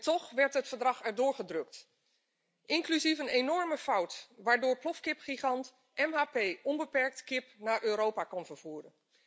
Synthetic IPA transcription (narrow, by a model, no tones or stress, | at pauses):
tɔχʋɛɹtɦətfəɹdrɑχɛɹdʊːɹχədrɵk̚t | ʔɪŋklyzifənenɔɹməfawtʋaːɹdʊːɹplɔfkɪpχiχɑnt | ʔɛmɦaːpejʔɔnbəpɛɹk̚tkɪpnaːɹʔøːɾowpakɔnvəɹv̥uːrən